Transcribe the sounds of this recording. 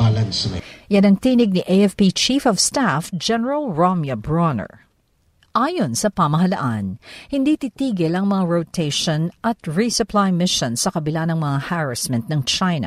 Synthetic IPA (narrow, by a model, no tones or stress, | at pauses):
alɐnsnɐ̰janɐŋt̪iːnɪɡ̚niʔejɛfpit͡ʃifɔvst̪afd͡ʒɛnɛɹɐlɹomjɐbɹonɛ̰ɹ | ʔaːjonsɐpɐmɐɦɐlɐ̰ʔanhɪnd̪iːt̪it̪iːɡɪlɐŋmɐŋaɹot̪ʰejʃonʔɐt̪ɹisʊplajmɪʃõnsɐkɐbɪlanɐŋmɐŋahaɹɐsmɛ̃nt̪̚nɐŋt͡ʃajnɐ̰